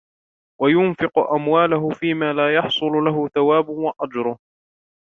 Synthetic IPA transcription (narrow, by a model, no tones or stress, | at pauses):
wajʊnfɪqʊʔamwaːlʊɦʊfiːmaːlaːjɑħsˤʊlʊlaɦʊθawaːbʊwaʔad͡ʒɾʊh